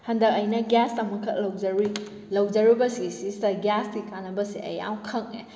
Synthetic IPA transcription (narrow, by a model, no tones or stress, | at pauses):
hɐndɐk̚ɐjnɐɡastɐmɐkʰːɐlɐwzɐɾi | lɐwd͡ʒɐɾibɐsisistɐɡastikanːɐbɐseʔɐ̰ja̰wkʰɐŋe